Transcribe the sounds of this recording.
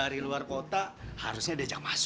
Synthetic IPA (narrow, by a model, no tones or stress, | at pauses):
aɾiluarkot̪aha̰ɾusɲaːdad͡ʒaŋmas